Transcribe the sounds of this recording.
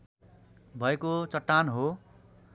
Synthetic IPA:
bʱʌekot͡sʌʈːanɦo

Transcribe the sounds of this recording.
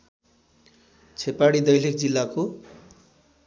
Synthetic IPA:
t͡sʰepaɽid̪ʌjlikd͡zilːako

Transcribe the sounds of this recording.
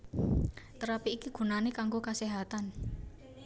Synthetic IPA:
t̪əɾapiːkiɡ̥ṳnanekaŋɡokaseɦat̪an

